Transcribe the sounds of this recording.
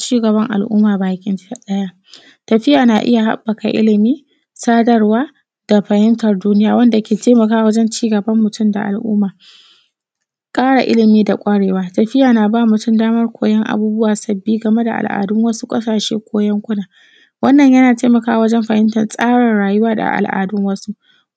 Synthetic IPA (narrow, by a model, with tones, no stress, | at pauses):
t͡ʃiː˦ɡɐ˨βɐ˦ŋʔa̰˨lʔʊ̰ː˦maː˨baː˨kʲɪ˦nta˦ɗɐ˦jaː˦ | tɐ˨ɸɪ˦jaː˨naː˨ʔɪ̰˦ja˨ɦa̰˦bːɐ˨ka̰˨ʔɪ̰˦lɪ˨miː˦ | saː˦dɐ˦rwaː˦ | d̥a˨ɸɐ˨hɪ˦mtɐ˨rduː˦nɪ˦jaː˨wɐ˦nda˨kʲeː˨teː˦mɐ˨kaː˦wɐ˦d͡ʒɛ˦nt͡ʃiː˦ɡɐ˨bɐ˦mːʊ˨tʊ˦mda̰˨ʔa˨lʔṵː˦maː˨ | kʼaː˦ɽa̰˨ʔɪ̰˦lɪ˨miː˦da˨kʷʼa˦ɽeː˨waː˦tɐ˨ɸɪ˦jaː˨naː˨baː˦˨mʊ˨tʊ˦mdaː˦mɐ˦rkʷʰoː˨jɛ˦ŋʔa̰˨buː˦bʊ˦waː˨sɐ˨bːiː˦ɡɐ˨me˦da̰˨ʔa̰˨lʔa̰ː˨dʊ˦ŋwɐ˦su˦kʼɐ˦saː˨ʃḛː˦kʷoː˦jɛ˦ŋkʷʊ˦naː˨ | wɐ˦nːɐ˨ɲjɐ˦naː˨teː˦mɐ˨kaː˦˨wɐ˦d͡ʒɛ˦mɸɐ˨hɪ˦mtɐ˨rsʼaː˦ɽɐ˨nɽaː˨jʊ˦waː˦da̰˨ʔa̰˨lʔa̰ː˨dʊ˦ŋwɐ˦su˦ʔ